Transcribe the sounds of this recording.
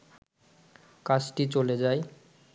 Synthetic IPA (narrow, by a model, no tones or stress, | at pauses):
kat͡ɕʈit͡ɕoled͡ʑae